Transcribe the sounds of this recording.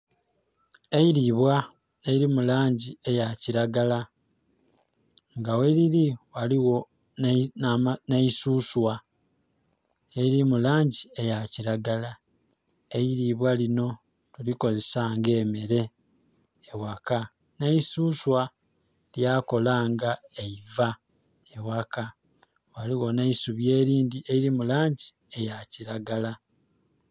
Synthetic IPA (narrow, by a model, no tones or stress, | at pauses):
eiɾiβwa | eiɾimulaːɲɟie̞jaciɾaɡala | ŋɡaweliɾiwaliwo̞ | naisuːswa | eiɾimulaːɲɟie̞jaciɾaɡala | eiɾiβwalino̞ | tuliko̞ze̞saːŋɡe̞ːmeɾe̞ː | waka | naisuːswa | ljako̞laːŋɡaeiva | ewaka | waliɣo̞naisuβje̞ːɾiːndieiɾimulaːɲɟi | e̞jaciɾaɡala